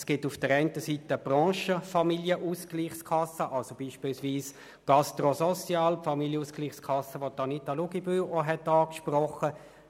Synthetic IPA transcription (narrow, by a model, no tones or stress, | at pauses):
sɡ̥ɪtufd̥əɾɛɪntəsiːtəb̥rɑ̃ːʃəfɑmiljəʔuːskliːχskʰɑsəʔɑlsob̥iːʃpiːlsʋiːs | ɡ̥ɑstʁosɔsjɑːlpfɑmiljəuːsɡ̥liːχskʰɑsːəʋot̪ɑnitːɑluɡibyʔoɦɛtɑːkʃprɔχə